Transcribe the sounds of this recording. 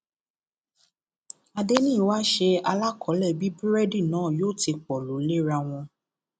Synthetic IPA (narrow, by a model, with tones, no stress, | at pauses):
a˧de˦nĩː˦˨˦wa˦ʃe˧a˧la˦kʰɔ˨˦lɛ˦˨bi˦bu˦ɾɛ˦di˦˨nãː˨˦˨joː˦˨ti˧k͡pɔ˨lo˨˦le˦ɾa˧w̃ɔ̃˧